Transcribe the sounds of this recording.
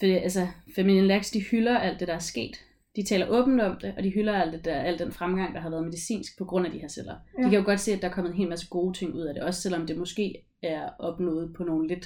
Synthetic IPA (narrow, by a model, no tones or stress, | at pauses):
fɒd̥ḭʔælsɐfæmilenlæɡ̥sd̥ihylɐæl̰d̥e̝ɾ̥ɑ̈æɐsɡ̥e̝̰ːd̥ | d̥it͡sʰɛ̰ːlɐʔɔ̽ːb̥n̩d̥ɒ̽md̥e̝ʔɒ̽d̥iɦylɐæl̰d̥ed̥ææl̰d̥enfʁamɡ̥ɑ̈ŋ̰d̥ɑ̈ɦɑʋæɐð̞ˠme̝ðisḭːnsɡ̥̚pʰɒ̽ɡ̥ʁɔ̽n̰æd̥iheɐsel̰ɐd̥ikʰæjo̝ɡ̥ɒ̽d̥se̝̰ːæd̥ɑ̈æɐkʰɒ̽m̰ð̩ˠenɦe̝ːlmæsəɡ̥o̝ːt͡sʰe̝ŋ̰uð̞̰ˠæɾ̥e̝ɒ̽sə̥selɒ̽md̥e̝mɒ̽sɡ̥e̝̰ː | æɐʔɒ̽b̥nɔ̰̽ːð̞̩ˠpʰɒ̽no̝ːn̩le̝d̥